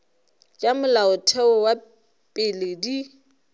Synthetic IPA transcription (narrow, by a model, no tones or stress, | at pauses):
t͡ʃʼamʊlaʊtʰɛʊwa | pʼɪledi